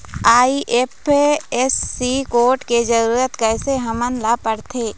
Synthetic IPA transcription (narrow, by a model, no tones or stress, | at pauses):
aːiʔeːpeesːikoːɾʈked͡ʒəɾuːɾət̪kɛːseɦəmənlapəɽt̪ʰeː